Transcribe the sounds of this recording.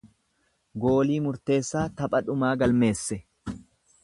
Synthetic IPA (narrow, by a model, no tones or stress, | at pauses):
ɡo̞ːliːmʊɾt̪e̞ːsːaːt̪ɐpʼɐᶑʊmaːɡɐlme̞ːsːɛ